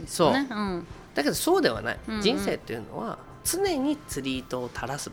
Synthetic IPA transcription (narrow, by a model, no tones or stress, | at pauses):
so̞ː | d̪̥ake̞d̪o̞so̞ːd̪e̞βa̰na̰ḭd͡ʑĩɰ̃se̞ːt̪ːeiɯ̟no̞βa̰ | t͡sɨne̞ɲ̟it͡sɨɾʲiːt̪o̞ːt̪ʰaɾasɨ